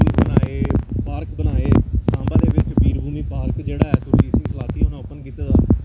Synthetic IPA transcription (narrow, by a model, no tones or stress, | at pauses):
ʊlsbənaːeːpaːɾkbənaːeːsãːmbaːd̪eːʋɪt͡ʃbiːɾbʱuːmĩːpaːɾkd͡ʒeːɽaːɛːsʊɾd͡ʒiːsĩːsəlaːt̪iːɦonãːʊpənkiːt̪aːd̪aː